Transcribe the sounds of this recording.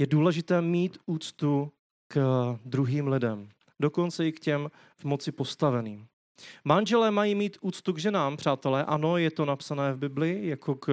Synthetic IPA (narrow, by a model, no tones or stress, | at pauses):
jɛduːlɛʒɪt̪ɛːmiːt̪uːt͡st̪u | kd̪ɾuɦiːmlɪdɛm | do̞ko̞nt͡sɛɪkcɛm | vmo̞t͡sɪpo̞st̪avɛniːm | manʒɛlɛːmajiːmiːt̪ʔuːt͡st̪uɡʒɛnaːmpr̝̥aːt̪ɛlɛːʔano̞jɛt̪o̞napsanɛːvbɪblɪjakʰo̞k